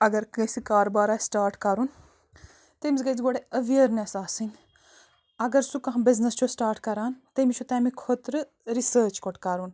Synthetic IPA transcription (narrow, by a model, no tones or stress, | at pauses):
ɐɡɐɾkɐsikaːɾobaːɾaːsʈaːɾʈkɐɾun | t̪emisɡɐd͡zɡoɽeɐʋeəɾnesaːsiŋɡ | ɐɡɐɾsukɐɦbɪznɐst͡ʃʰosʈaːɾʈkɐɾaːnt̪emit͡ʃʰut̪emikʰot̪ɾɨ | ɾisəːɾt͡ʃkoʈkɐɾun